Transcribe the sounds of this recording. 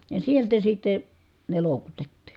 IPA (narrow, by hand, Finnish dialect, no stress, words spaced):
jɑ sieltæ sitːe ne loˑukutetːi̥